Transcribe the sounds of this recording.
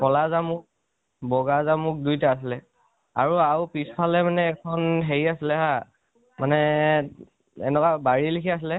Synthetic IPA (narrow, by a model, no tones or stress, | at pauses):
kɔlazamʊk̚ | bɔɡazamʊk̚dujtaːsilɛ | a̰ɹuawpispʰalɛmanɛːkʰɔnɦeɹiasilɛɦa | manɛ | ɛ̰nɛkabaɹilikʰias̬ilɛ